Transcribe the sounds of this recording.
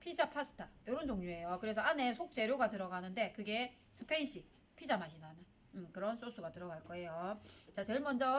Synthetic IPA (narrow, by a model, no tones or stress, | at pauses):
pʰid͡ʑapʰasʰɯ̥tʰajʌɾond͡ʑoŋɲue̞jokɯɾe̞sʰʌane̞sʰok̚t͡ɕ͈e̞ɾjoɡatɯɾʌɡanɯnde̞kɯɡe̞ | sʰɯ̥pʰenɕ͈ʰi | pʰid͡ʑamaɕʰinana | ɯkɯɾʌns͈os͈ʰuɡatɯɾʌɡaɭk͈ʌe̞jot͡ɕat͡ɕeɭmʌnd͡ʑʌ